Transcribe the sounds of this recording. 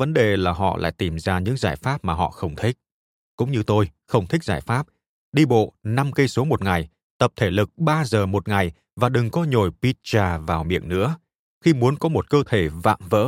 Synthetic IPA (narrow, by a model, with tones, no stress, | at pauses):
və˨˦nɗe˨˩laː˨˩ɦɔ̰˧˨la̰ː˧˨jt̪i˨˩mzaː˧ɲɨ̰˧˥ŋzaː˧˩jfaː˦˥p̚maː˨˩ɦɔ̰˧˨xə˧wŋ͡mt̪ʰï˦˥k̚ | kʊ̰˧˥ŋ͡mɲɨ˧t̪o˧jxə˧wŋ͡mt̪ʰi˦˥k̚zaː˧˩jfaː˦˥p̚ | ɗi˧ɓo̰˧˨na˧mkə˧jso˨˦mo˨˩t̚ŋa˨˩j | t̪ə˨˩p̚t̪ʰe˧˩lɨ˨˩k̚ɓaː˧zəː˨˩mo˨˩t̚ŋa˨˩j | vaː˨˩ɗɨ˨˩ŋkɔ˨˧˦ɲo˨˧˩jpi˧˥t̚t͡ɕaː˨˩vaː˨˩wmḭ˧˨ənɨ̰˧˥ə | xi˧mu˨˦ənkɔ˨˦mo˨˩t̚kəː˧t̪ʰe˧˩va̰ː˧˨mvə̰ː˧˥